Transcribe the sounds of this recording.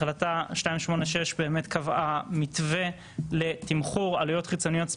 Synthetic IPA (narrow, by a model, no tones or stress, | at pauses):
lataʃnaimʃmo̞neʃe̞ʃbe̞ːme̞tkavamitve̞ | le̞timχuʁa̰lujo̞tχit͡so̞nijo̞t